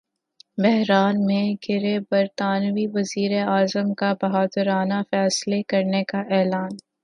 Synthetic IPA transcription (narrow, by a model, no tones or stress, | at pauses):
bɛɦɾaːnmẽɡɪɾebɐɾt̪aːnʋiʋɐziːɾeaːzəmkabɐɦaːd̪əɾaːnafɛːslekɐɾnekaʔɛːlaːn